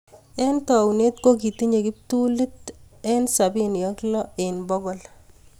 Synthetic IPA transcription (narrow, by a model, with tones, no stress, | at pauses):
e˦ntɔ˨wne˦tko˦ki˨ti˦ɲe˨kɪ˦p̚tu˦lɪ˦t | e˦nsa˨bi˦njɔklɔe˨nbɔ˦ɡɔl